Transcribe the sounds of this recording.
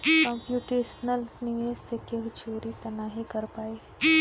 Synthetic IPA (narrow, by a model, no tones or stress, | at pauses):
kɔ̃mpjuːʈeʃnəlsnijesekeɦt͡ʃoːɾit̪ɐnaːɦikəɾpaːe